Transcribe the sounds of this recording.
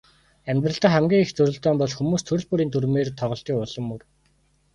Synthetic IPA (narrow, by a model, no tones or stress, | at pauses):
æmʲt̪rə̆ɬt̪ə̆χæmɡʲiːŋixt͡sɵɾɵ̆ɮt̪œːmpɔɮxumuːst̪ʰɵɾɵ̆ɮpuɾiːnt̪urmeːrt̪ʰɔʁɞ̆ɬt̪iːkʊɮɞ̆mːɵr